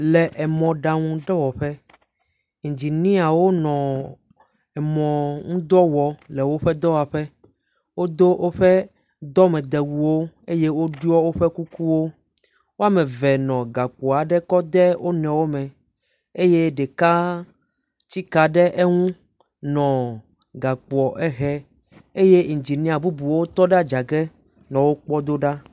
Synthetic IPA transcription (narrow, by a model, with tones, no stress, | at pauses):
lɛ˨ʔɛ˨mɔ̃˨ɖa˨ŋũ˦ɖɛ˦wɔ˨ɸɛ˦ | ŋ̩̃˨d͡ʑi˨nĩ˦a˨wo˦nɔ̃˨ | ɛ˨mɔ̃˨ŋũ˦d̪ɔ˦wɔ˨lɛ˨wo˦ɸɛ˦d̪ɔ˦wa˨ɸɛ˦ | wo˦d̪o˦wʔo˦ɸɛ˦ | d̪ɔ˦mɛ̃˨d̪ɛ˨wu˨wo˦e˦je˦wo˦ɖu˦ɔ˦wo˦ɸɛ˦ku˦ku˦wo˦ | wo˦a˦mɛ̃˨vɛ˨nɔ̃˨ɡa˨k͡pɔ˨a˨ɖɛ˦kɔ˦d̪ɛ˦wʔo˦nɛ̃˨wo˦mɛ̃˨ | e˦je˦ɖɛ˨ka˦ | t͡ɕi˦ka˨ɖɛ˦ʔe˦ŋũ˦ | nɔ̃˨ | ɡa˨k͡pɔ˨ʔɛ˦ɦɛ˦ | e˦je˦ŋ̩˨d͡ʒi˨nɛ̃˦a˨bu˦bu˨wo˦t̪ɔ˦ɖa˦d͡ʒa˨ɡɛ˦ | nɔ̃˨wo˦k͡pɔ˦d̪o˦ɖa˦